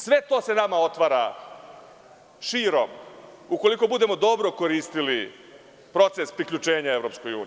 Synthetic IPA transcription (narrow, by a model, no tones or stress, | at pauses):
sʋe̞t̪o̞ːse̞namao̞t̪ʋaɾa | ʃiːɾo̞muko̞liko̞bud̪e̞mo̞d̪o̞bɾo̞ko̞ɾiːst̪ili | pɾo̞t̪sespɾikʎut͡ʃe̞ːɲae̞ʋɾopsko̞jṵːni